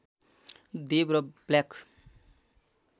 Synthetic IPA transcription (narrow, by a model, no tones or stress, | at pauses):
d̪ebɾʌblakʰ